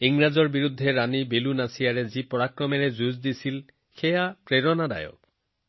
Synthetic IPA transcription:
iŋɹazɔɹbiɾud̪ʱːeɾanibelunasijaɹezipɔɹakɹɔmeɹezuzd̪isil | xejapɹeɾɔnad̪a̰jɔ̰k̚

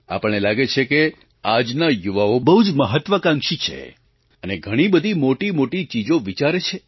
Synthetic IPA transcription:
a̰pəɳ̃elaɡet͡ʃʰeke | ad͡ʒnajuʋaobəɦud͡ʒməɦət̪ʋəkãŋʃit͡ʃʰḛ | əneɡʱəɽ̃ibəd̪ʱimoʈimoʈit͡ʃid͡ʒoʋit͡ʃaɾet͡ʃʰe

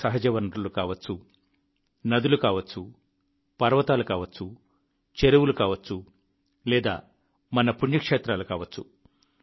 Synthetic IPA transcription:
sɐɦɐd͡ʒɐʋɐnulukaːʋɐt͡sːu | nɐd̪ulukaːʋɐt͡ʃːu | pɐɾʋɐt̪aːlukaːʋɐt͡ʃt͡sːu | t͡ʃeɾuwulukaːʋɐt͡ʃt͡sːu | lɛːd̪a̰ː | mɐnɐpuɲd͡ʒɐkʂeːt̪ɾaːlukaːʋɐt͡ʃːu

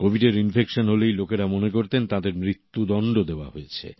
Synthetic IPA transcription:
kobʱiɖeɾinfekʃonɦolejlokeɾamonek̬oɾt̪ent̪ãd̪eɾmɾit̪ːud̪ɔɳɖod̪eoa̰ɦojet͡ɕʰḛ

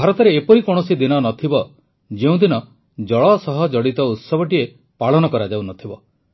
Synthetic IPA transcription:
bʱaɾɔt̪ɔɾeːpɔɾikoɽ̃ɔsid̪inɔnɔt̪ʰibɔ | d͡ʒeũd̪inɔ | d͡ʒɔɭɔsɔɦɔd͡ʒɔɽit̪ɔut̪sɔbɔʈie | paɭɔnɔkɔɾad͡ʒawnɔt̪ʰibɔ

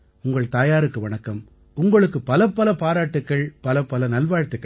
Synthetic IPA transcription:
ʊŋɡɐɭt̪aːjaːɾɯkːɯʋɐɳɐkːɐm | ʊŋɡɐɭɯkːɯpɐlɐpːɐlɐpaːɾaːʈːɯkːɐɭpɐlɐpːɐlɐnɐlʋaːɻt̪ːɯkːɐ

